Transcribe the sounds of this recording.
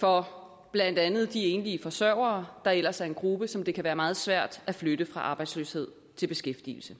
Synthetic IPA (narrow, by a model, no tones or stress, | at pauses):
fɒ̽ | b̥læn̰d̥ænð̞̩ˠd̥ie̝nliəfɒ̽sɶɐʊɐːd̥ɑ̈el̰ɐsæɐe̝nɡ̥ʁub̥əsɒ̽md̥e̝kʰæʋæːɐmɑ̈ːð̞̩ˠsʋæɐ̰d̥æfløɾ̥əfʁɑ̈ʔɑ̈ːb̥ɑ̈ɪd̥slø̰ːshe̝ð̰ˠ | t͡sʰe̝lb̥e̝sɡ̥efd̥ḭːl̩sə